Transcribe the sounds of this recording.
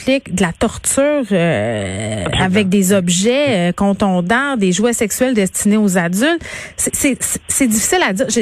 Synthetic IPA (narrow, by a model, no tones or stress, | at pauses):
lɪkd̪əlat̪ɔʁt̪yːʁø | avɛk̚d̪ezɔbʒɛøkɔ̃t̪ɔ̃ːd̪ɑ̃d̪eʒwɛsɛksyɥɛld̪ɛst̪ineozad͡zʏlt̪sesɛssɛd͡z̪ifi̥sɪlad̪iːʁʒ